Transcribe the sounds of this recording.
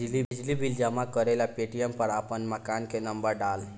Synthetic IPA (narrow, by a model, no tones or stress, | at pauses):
d͡ʒlid͡ʒlibʱild͡ʒəmakəɾelapeʈijəmpəɾapənməkankenəmbəɾɖal